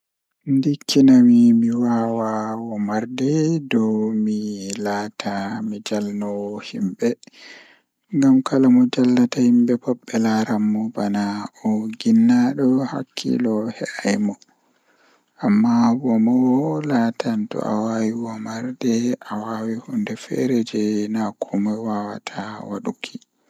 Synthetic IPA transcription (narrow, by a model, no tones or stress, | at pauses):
ndikʰːinawimiwawawɔmaɾdɛdɔwmilaːtʰamid͡ʒalnɔhimbɛ | ŋɡamkʰalamɔd͡ʒalːatahimbɛbɔɓːɛlaɾamːɔbanaɔɡinːaɗɔha̰kʰːḭlɔhɛʔajmɔ | ʔamːabɔmɔwlatantɔ̰ʔa̰wawiwɔmaɾdɛʔawawihɔndɛfɛ̰ɾɛd͡ʒɛnakʰɔmɔjwawa̰tʰawa̰ɗukʰi